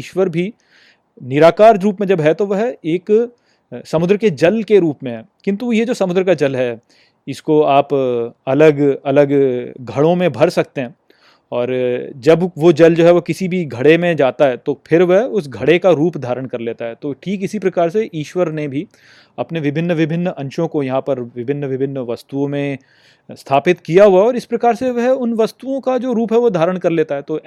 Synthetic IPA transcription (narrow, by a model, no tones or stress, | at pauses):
iːʃʋəɾbʱi | nɪɾaːkaːɾɾuːp̬mẽd͡ʒɐbɦɛt̪oʋɐɦeːk | sɐmʊd̪ɾəked͡ʒɐlkeɾuːpmẽɦɛ | kɪ̃nt̪ujed͡ʒoːsɐmʊd̪ɾəkad͡ʒɐlɦɛ | ɪskoaːpɐləɡɐləɡɡʱɐɽõmẽbʱɐɾsɐk̚t̪eɦɛ̃ː | ɔːɾd͡ʒɐbʋod͡ʒɐld͡ʒoːɦɛʋokɪsibʱiɡʱɐɽemẽd͡ʒaːt̪aɦɛt̪opʰɪɾʋɐɦʊs̬ɡʱɐɽekaɾuːpd̪ʱaːɾəɽ̃kɐɾleːt̪aɦɛt̪oːʈʰiːkɪsipɾɐkaːɾseʔiːʃʋəɾnebʱi | ɐpneʋɪbʱɪnːəʋɪbʱɪnːəʔɐ̃nʃõkojɐɦãpɐɾʋɪbʱɪnːəʋɪbʱɪnːəʋɐst̪uõmẽ | st̪ʰaːpɪt̪kijaɦuaɛɔːɾɪspɾɐkaːɾseʋɐɦʊnʋɐst̪uõkad͡ʒoːɾuːpɦɛʋod̪ʱaːɾəɽ̃kɐɾleːt̪aɦɛt̪oː